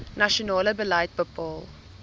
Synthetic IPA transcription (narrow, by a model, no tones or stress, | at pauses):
naʃɔnɑːləbəlaɪt̚bəpɔːl